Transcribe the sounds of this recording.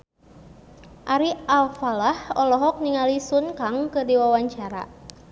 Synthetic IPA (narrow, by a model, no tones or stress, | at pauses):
ʔaɾialfalahɔlɔɦɔk̚niŋalisunkaŋkərdiwawaɲt͡ʃaɾa̰